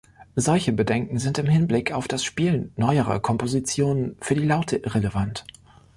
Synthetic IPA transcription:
zɔlçəbədɛŋkŋ̩zɪntɪmhɪnblɪkaʊfd̥asʃpiːlnːɔʏəʁɐ̰kʰɔmpozit͡sjoːnənfyːɐdiːlaʊtʰəʔɪʁeləvant

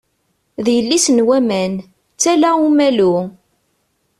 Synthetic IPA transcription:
ðjəlːisnwæmæn | t͡sːælæumælu

